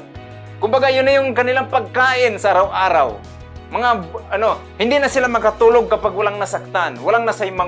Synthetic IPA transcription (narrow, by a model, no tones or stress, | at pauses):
kʊmbaɡajʊnːajʊŋkanɪlaŋpaɡ̚kaːʔɪnsaʔaɾawʔaːɾaw | mɐŋaano | hɪnd̪ɪnasɪlamɐkat̪uːloɡ̚kɐpaɡwalaŋnasak̚t̪anwalaŋnasajma